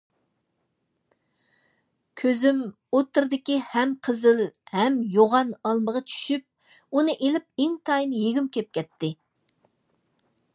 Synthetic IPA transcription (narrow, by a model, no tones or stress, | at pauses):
kʲʰøzym | ot̪ːɨɾd̪ɪkʲihɛmqʰəzɪlhɛmjoʁɑnɑlˠməʁɑt͡ʃʰy̥ʃyp̚ | unɨʔelɪp̚ɪŋt̪ʰɑjnjeɡʲymkʲʰɛp̚kʲɛt̪ʰːɪ